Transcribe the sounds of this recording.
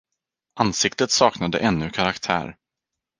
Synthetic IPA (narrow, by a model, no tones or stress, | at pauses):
ʔansɪkt̪ət̪sɑːknad̪ə̰ʔɛnːɵkʰaɾakt̪ʰæ̰ːɾ